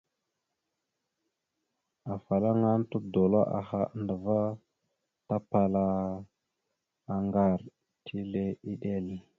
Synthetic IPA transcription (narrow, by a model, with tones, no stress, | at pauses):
a˨fa˨la˦ŋa˦ntu˦do˨la˦ʔa˨xa˨˦ndə˨va˦ | ta˦pa˨la˦ | a˨ŋɡa˦˨ɾ | tʰi˦le˦i˦ɗe˦˨l